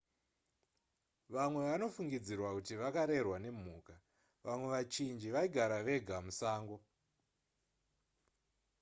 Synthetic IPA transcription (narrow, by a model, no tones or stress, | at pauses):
ʋamwe̞ʋano̞fuŋɡid͡zirwakutiʋakaɾe̞rwane̞m̤uːka | ʋamwe̞ʋat͡ʃind͡ʒiʋaiɡʱaɾaʋe̞ɡʱamusaːŋɡo̞